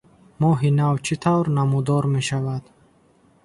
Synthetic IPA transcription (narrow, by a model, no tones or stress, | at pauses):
mɔɦinavt͡ʃʰit̪ʰavɾnamud̪ɔɾme̞ʃavad̪̥